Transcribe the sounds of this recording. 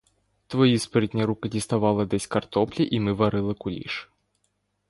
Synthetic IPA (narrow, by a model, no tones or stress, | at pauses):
t̪vɔjispɾʲɨd̪ʲnʲɐɾukɐdʲist̪avalˠɐd̪ɛsʲkart̪ɔplʲiʔimɨvaɾɨlˠɨkulʲḭʂ